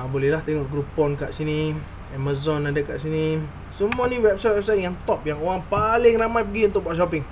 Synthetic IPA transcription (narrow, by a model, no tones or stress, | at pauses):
abolɛhlaht̪eŋɔʔɡɾupɔnka̰ʔsini | ɛmazɔnadəkaʔsinĩ | səmuanĩwɛp̚sajt̪wɛp̚sajt̪̚jaŋt̪ɔp̚jaŋoɣaŋpalɪŋramajpəɡiunt̪ʊk̚baʔʃ̬ɔpɪŋ